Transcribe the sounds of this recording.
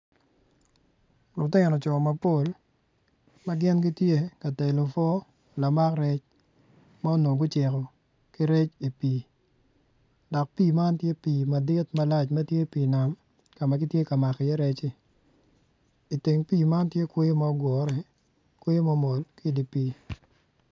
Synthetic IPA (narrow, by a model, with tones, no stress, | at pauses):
lʊ˨tɪ˦nɔ˨t͡ʃɔ˨ma˨po˦˨l | ma˦ɡɪ˦nɡi˦tje˦ka˨tɛ˨lo˨fɔ˦ | la˨ma˦kɾɛ˦t͡ʃ | ma˦o˦no˨ɡʊ˦t͡ʃɪ˨kɔ˨ | ki˦ɾɛ˦t͡ʃi˨piː˨ | dɔ˨k̚piː˦˨ma˦ntje˦pi˨ma˨dɪ˦tma˦la˦t͡ʃmɐ˦tje˦piː˨na˨m | ka˨ma˨ɡi˦tje˦ka˨ma˨kjɛ˦ɾɛ˦t͡ʃɪ˦ | i˨ti˨ŋpiː˦˨ma˦ntje˦kwe˦je˦ma˦ɔ˦ɡɔ˨ɾɛ˨ | kwe˦je˦ma˦mo˨lki˦di˨piː˨